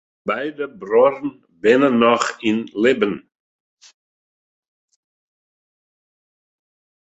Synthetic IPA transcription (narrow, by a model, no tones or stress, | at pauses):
bajd̪əbɾɔɾn | bɛnənɔxinlɪbən